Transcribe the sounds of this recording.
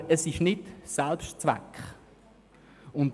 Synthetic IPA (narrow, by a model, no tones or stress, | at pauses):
əsɪʃnɪtsɛlpʃtt͡svɛ̰kχ | ʊnt